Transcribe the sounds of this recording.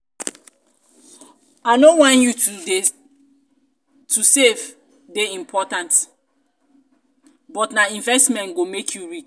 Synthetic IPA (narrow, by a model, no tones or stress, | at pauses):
aɪnowãnjuue | tʰusev | deĩmpʰɔtãnt | bɔtnaĩɱvɛstmɛ̃nɡomekʰjuɹit͡ʃ